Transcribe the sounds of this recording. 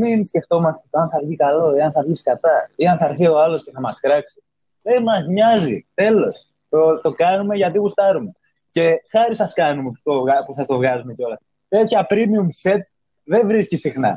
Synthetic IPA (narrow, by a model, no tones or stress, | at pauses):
minsce̞ft̪o̞mɐst̪et̪oɐnθɐɾʝikɐlo̞iɐnθɐvʝiskɐt̪ɐiɐnθɐɾθio̞ɐlo̞sce̞θɐmɐskɾɐksi̥ | ðe̞mɐzɲɐzit̪e̞lo̞s | t̪ot̪o̞kɐnume̞ʝɐt̪ipust̪ɐɾume̞ | ce̞xɐɾisɐskɐnumepu̥st̪oɣɐpusθɐst̪o̞vɣɐzume̞ceo̞lɐs | t̪e̞t̪çɐpɾimiumse̞t̪̚ | ðe̞vɾiscisixnɐ̰